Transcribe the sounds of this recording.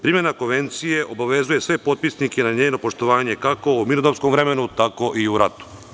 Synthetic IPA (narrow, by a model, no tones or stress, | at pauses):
pɾimje̞nako̞nʋe̞nt̪sije̞ʔo̞baʋe̞zuje̞sʋe̞po̞t̪̚pisnikenaɲeːno̞po̞ʃt̪o̞ʋaːɲe̞kako̞uminod̪opskomʋɾe̞me̞nut̪ako̞ʔiuɾat̪u̥